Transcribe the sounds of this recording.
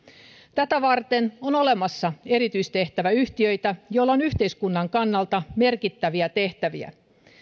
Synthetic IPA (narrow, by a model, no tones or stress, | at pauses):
t̪æt̪æʋɑrt̪enonole̞mɑsːɑe̞ɾit̪yist̪e̞ht̪æʋæyht̪iø̞jt̪æjo̞jlːɑonyht̪eiskunːɑŋkɑnːɑlt̪ɑme̞rkit̪ːæʋiæt̪e̞ht̪æʋḭæ̰